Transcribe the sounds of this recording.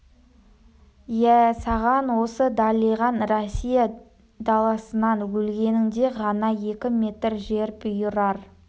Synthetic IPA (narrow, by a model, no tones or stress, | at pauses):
jæsɑʁɑnwo̞səd̪ɑlˠijʁɑnrosʲijɑ | d̪ɑlˠɑsənɑnwɵlɡʲe̞nɪŋd̪e̞ʁɑnɑje̞kʲɪme̞t̪ɾʒe̞ɾpɪjəɾɑɾ